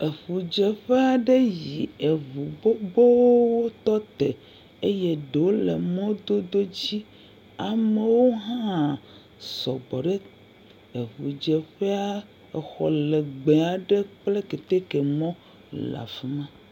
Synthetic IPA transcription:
e˨ɸu˨d͡ʒe˨ɸɛ˦a˨ɖe˦ji˨e˨βu˨ɡ͡bo˦bo˦wwo˦t̪ɔ˦t̪e˨ | e˦je˦ɖe˨o˦le˨mɔ̃˦d̪o˦d̪o˦d͡ʑi˦ | a˨me˨wo˦ɦã˦ | sɔ˨bɔ˨ɖe˦ | e˨ɸu˨d͡ʒɛ˨ɸe˦a˦ | ɛ˨xɔ̰˨le˨ɡ͡be˨a˨ɖe˦k͡ple˦ke˨t̪e˦ke˨mɔ̃˦ | la̰˨fi˦mã˦

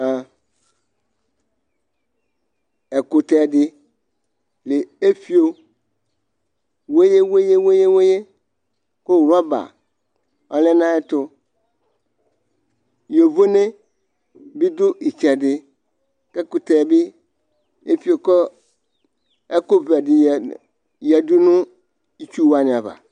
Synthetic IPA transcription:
a˨ | e˨ko˨t̪ɛ˨ɖɪ˦ | le˨e˦fi˦o˨ | we˦je˦we˦je˦we˦je˦we˦je˦ | kʊ˦wɾɔ˦ba̰˨ | ɔ˦le˦nã˦ɛ˦t̪ʊ˦ | jo˨vo˦ne˦ | bi˦d̪ʊ˦i˨t͡ʃɛ˨dɪ˦ | ke˦kʊ˨t̪e˨bɪ˦ | e˦fi˨o˨kɔ˦ | e˦ko˦ve˨a˨dɪ˨ | jɛ˨du˦nʊ̃˦ | i˦t͡ʃu˦wa˨nɪ̃˨a˨va̰˨

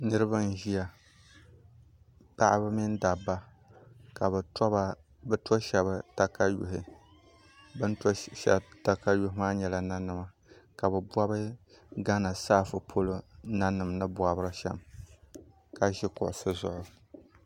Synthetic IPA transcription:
nɨ˦ɾɨ˦ba˦n˦ʒi˦ja˨ | pa˦ʔɪ˦bɨ˦mɪ˦n˦da˨bːa˦ | ka˨bɛ˨ta˨ | bɛ˦tɔ˦ʃɛ˨βa˦ta˦ka˦jʊ̰˨ɦɪ˨ | bɨ˦n˦ʃɛ̰˨ta˦ka˦jʊ˦ɦɪ˦maː˦ɲɛ˨la˨na˦nɨ˨ma˨ | ka˨bɛ˨bʷa˦bɨ˦ | ɡa˦na˨saː˦fɨ˨pʰo˦lo˦na˦nɨ˨mnɨ˦bwa˦bɨ˦ɾɨ˦ʃɛ˦m | ka˦ʒɪ˦kʊ̰˨ʔʊ˨sɨ˦zʊ˦ʔʊ˨

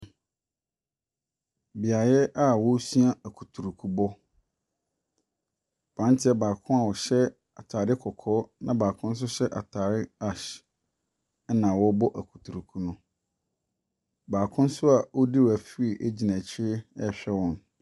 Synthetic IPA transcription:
bi˨a˨jɛ˦ʔa˦wɔ˦su˦a˦æ˨kʰu˨tʰu˨ɾu˨kʰu˦bɔ˦ | b̥ã˨˦n˦tʰɪ˦ɛ˦baː˨kʰʊ̃˦a˨wɔ˨ɕɛ˦ | a̰˨tʰaː˨dɪ˦kʰɔ˨kʰɔː˦nã˦baː˨kʰʊ̃˦n̩˦s̬ʊ˦ɕɛ˦ʔa̰˨tʰaː˨ɾɪ˦a˨ɕ | nã˨wɔ˦bɔ˦ʔæ˨kʰu̥˨tʰu˨ɾu˨kʰu˦nʊ̃˦ | baː˨kʰʊ̃˦n̩˦sʊ˦a˨wɔ˦di˦wæ˨fi˦i˨ʔe˦d͡ʑi˨næ̃˨t͡ɕʰɪ˦ɛ˦ɕᶣɛ˦wɔ̃˨n

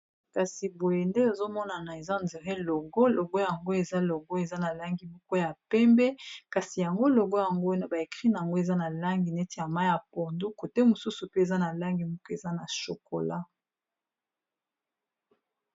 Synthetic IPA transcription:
ka˨si˨bo˨je˨nde˦o˨zo˦mɔ˦na˨na˨e˨za˦˨nde˨ʁɛ˦lo˨ɡo˦lo˨ɡo˦ja˨ŋɡo˦e˨za˦lo˨ɡo˦e˨za˦na˨la˦ŋɡi˨mɔ˦ko˦ja˨pɛ˦mbɛ˦ka˨si˨ja˨ŋɡo˦lo˨ɡo˦ja˨ŋɡo˦wa˦na˦ba˨e˨kʁi˦na˨ja˨ŋɡo˦e˨za˦na˨la˦ŋɡi˨nɛ˦te˨ja˨ma˦ja˨po˨ndu˦ko˨te˦mo˨su˦su˨pe˦e˨za˦na˨la˦ŋɡi˨mɔ˦ko˦e˨za˦na˨ʃo˨ko˨la˦

